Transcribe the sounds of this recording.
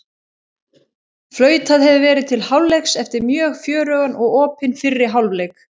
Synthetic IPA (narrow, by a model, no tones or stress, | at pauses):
flœːɥt̪aðhɛvʏvɛːɾɪðt̪ʰɪlhawllːejksɛft̪ɪɾmjœːɣfjœːɾœɣanɔɣɔːpɪnfɪrːɪɦawlvlejk